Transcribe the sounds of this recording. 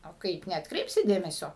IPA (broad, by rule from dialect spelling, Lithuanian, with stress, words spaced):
oː ˈkɐɪp nʲɛɐtkˈrʲɛɪpʲsʲɪ ˈdʲeːmʲɛsʲoː